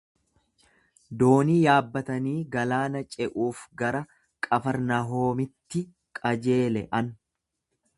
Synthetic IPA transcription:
d̪o̞ːniːjaːbːɐt̪ɐniːɡɐlaːnɐt͡ʃʼɛʔuːfɡɐɾɐ | kʼɐfɐɾnɐɦoːmɪt̪ːɪ | kʼɐd͡ʒe̞ːlɛ̰ʔɐn

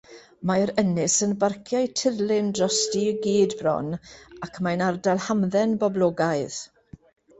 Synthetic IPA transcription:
maɾənɪsənbarkʰjajtʰɪrlɪndrɔstiɡiːdbrɔ̰nakʰmanardalˠhamðɛnbɔblˠɔːɡaɨð̥

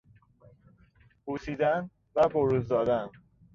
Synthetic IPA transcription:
puːsiːd̪æn | væboɾuːzd̪ɒːd̪æn

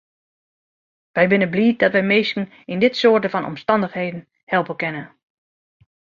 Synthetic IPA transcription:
ʋɛjbɪnəbliːt̚dɔtʋɛjmeːstn̩ | indɪtsoːətəfɔnɔ̰mstɑndəxheːdn̩ | hɛlˠpəkɪnə

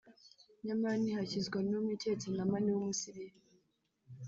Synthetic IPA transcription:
ɲamanihacizɡwanumitet͡sinamaniwumusiɾiɾe

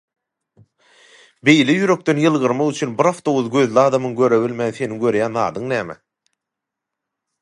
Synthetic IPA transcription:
be̞jlejyɾø̞k̚t̪ø̞njɯlˠʁɯɾmɑʁyt͡ʃʰynbiɾɑft̪o̞wuðɡø̞ðlʲɑːd̪ɑmɯŋɡø̞ɾøβilʲmænθe̞niɡø̞ɾjæːnðɑːd̪ɯŋnæːme

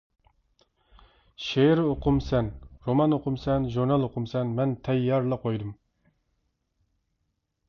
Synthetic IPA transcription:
ʃeɾoqʰʊmsɛnɾomɑnoqʊmsɛnʒuɾnɑlˠoqʊmsɛnmɛnt̪ʰɛjːɑɾlˠɑqʰojd̪um

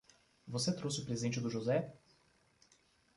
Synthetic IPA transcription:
vosɛt̪ɾosiʊpɾezidɛ̃nt͡ʃiud̪ʊʒozɛ

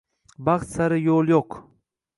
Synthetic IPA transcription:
baχt̪saɾɪjolˠjoq

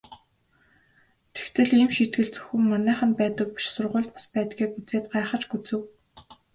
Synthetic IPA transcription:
t̪ʰe̥xt̪ʰɘ̆ɮiːmʃiːt̪ɡɘ̆ɮt͡sɵ̥xʲɘ̆mːanæːχə̆npæːt̪ə̆k̚pi̥ʃsʊrʁʊːɮt̪̚pḁspæːt̪ɡiːkut͡seːt̪̚ɢaːχə̆t͡ɕɡut͡sɘ̆w

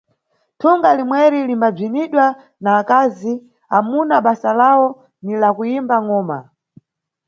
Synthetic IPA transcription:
tʰuŋɡalimwɛɾilimbab͡ʐiniɗwa | naːkazi | amunaɓasalawɔ | nilakujimbaŋɔːma̰

